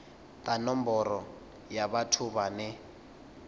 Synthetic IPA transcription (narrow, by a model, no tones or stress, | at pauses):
t̪ʼanɔmbɔɾɔ | jaβatʰuβanɛ